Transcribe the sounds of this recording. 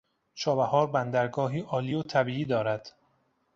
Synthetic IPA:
ʃʰɒːbæhɒːɾbænd̪æɾɡɒːɦiːʔɒːliːot̪ʰæbiːiːd̪ɒːɾæd̪̥

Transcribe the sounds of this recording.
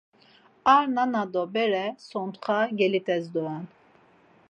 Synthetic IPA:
aɾnanad̪ɔbɛɾɛsɔnt̪χaɡɛlit̪ʰɛzd̪uɛn

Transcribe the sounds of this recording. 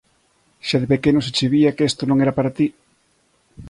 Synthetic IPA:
ʃaðɪpekenoset͡ʃeβiakest̪onõŋeɾapaɾat̪i

